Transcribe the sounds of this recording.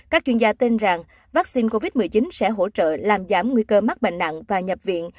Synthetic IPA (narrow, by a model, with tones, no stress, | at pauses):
kaː˦˥k̚t͡ɕwi˧ənzaː˧t̪i˧nza˨˩ŋ | vaː˦˥k̚si˧nko˧vi˦˥t̚mɨ˨˩əjt͡ɕï˨˦nsɛ̰˧˥ɦo̰˧˥t͡ɕə̰ː˧˨laː˨˩mzaː˧˩mŋwi˧kəː˧ma˦˥k̚ɓḛ˧˨ŋ̟ɗa̰˧˨ŋvaː˨˩ɲə˨˩p̚vḭ˧˨ən